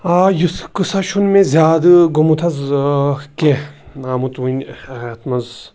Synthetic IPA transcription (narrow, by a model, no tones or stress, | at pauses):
ajuskɨsaʃunmẽzjaːd̪ɨɡomut̪ʰɐz | keaːmut̪ʋunt̪ʰmɐz